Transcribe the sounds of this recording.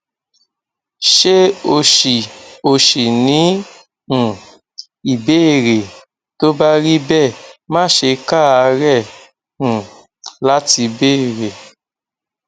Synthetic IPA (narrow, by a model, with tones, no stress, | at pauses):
ʃe˦o˧ʃi˨o˨ʃi˨nĩ˨˦˨ | i˨be˦˨ɾe˨ | to˦ba˦ɾi˦bɛ˦˨mãː˦˨ʃe˧ka˦˨a˧ɾɛ̃˦˨ | la˦ti˧be˦˨ɾe˨